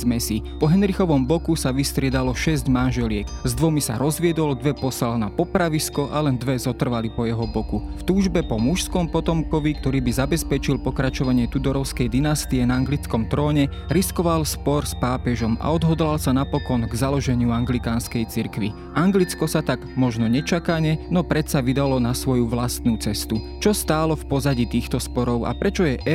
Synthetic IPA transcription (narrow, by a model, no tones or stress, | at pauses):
zmɛsipɔɦɛnɾixɔʋɔmbɔkusaʋist̪ɾɪɛd̪alɔʃɛzɟmanʒɛlɪɛkzd̪ʋɔmisa̰ɾɔzʋɪɛd̪ɔld̪ʋɛpɔsalnapɔpɾaʋiskɔʔalɛnd̪ʋɛzɔt̪r̩ʋalipɔjɛɦɔbɔkuft̪uːʒbɛpɔmuʃskɔmpɔt̪ɔmkɔʋikt̪ɔɾiːbizabɛspɛt͡ʃilpɔkɾat͡ʃɔʋaɲɪɛt̪ud̪ɔɾɔʊskɛjd̪inast̪iɛnaaŋɡlit͡skɔmt̪ɾɔːɲɛ | ɾiskɔʋalspɔɾspaːpɛʒɔma̰ɔd̪ɦɔd̪lalsanapɔkɔnɡzalɔʒɛɲɪuaŋɡlikaːnskɛjt͡siɾkʋi | ʔaŋɡlit͡skɔsat̪aɡmɔʒnɔɲɛt͡ʃakaɲɛnɔpɾɛsaʋid̪alɔnasʋɔjuʋlast̪nuːt͡sɛst̪ut͡ʃɔst̪aːlɔfpɔzaɟit̪iːxt̪ɔspɔɾɔʊa̰pɾɛt͡ʃɔjɛʔɛ